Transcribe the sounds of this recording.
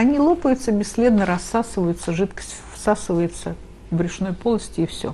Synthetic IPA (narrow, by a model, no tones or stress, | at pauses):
ɐnʲilˠo̞pəjʊt̪səbʲɪsʲːlʲe̞d̪nəɾɐsːasɨvəjʊt̪səʐɨt̪kə̥sʲtʲfsasɨvəjɪt̪sə | vbɾʲɪʂno̞jpo̞lˠəsʲtʲɪːfsʲɵ̰